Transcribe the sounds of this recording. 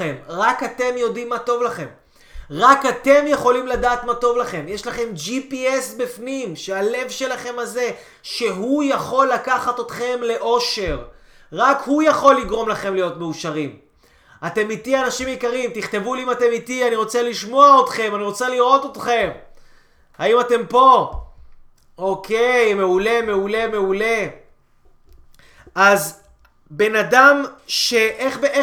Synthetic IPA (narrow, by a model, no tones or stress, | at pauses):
emʁakat̪e̞mjo̞dimːato̞vlaχe̞m | ʁakat̪e̞mje̞χo̞limladaːt̪mato̞vlaχe̞mje̞ʃlaχe̞md͡ʒipiesbifnimʃeale̞vʃe̞laχe̞maze̞ | ʃe̞ɦujaχo̞lːakaχat̪ot̪χe̞mle̞ʔo̞ʃe̞ʁʁakhujaχo̞lːiɡʁo̞mlaχe̞mlijo̞tmeuʃaʁim | ate̞mitianaʃimjikaʁimt̪iχt̪e̞vuliimate̞mitianiʁo̞t͡seliʃmo̞aot̪χe̞maniʁo̞t͡seliʁo̞t̪ot̪χe̞m | ha̰imate̞mpo̞ | okʰejme̞ule̞me̞ule̞me̞ule̞ | ʔaz | be̞nadamʃe̞ʔeχbeʔe